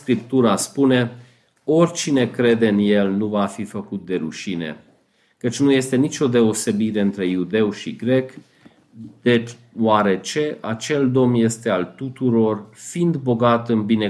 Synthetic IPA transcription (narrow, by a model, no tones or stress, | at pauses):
skɾip̚t̪uɾaspune̞ | o̞rʲt͡ʃine̞kɾe̞d̪e̞ɨnje̞lnuvafifəkut̪̚d̪e̞ɾuʃine̞̰ | kət͡ʃʲnuje̞st̪e̞nit͡ʃʲo̞d̪e̞ose̞biɾe̞ɨnt̪ɾe̞jud̪e̞wʃiɡɾe̞k | d̪̥et | waɾe̞t͡ʃe̞ʔat͡ʃe̞ld̪o̞mje̞st̪e̞alt̪ut̪uɾo̞rfind̪bo̞ɡat̪ɨnbine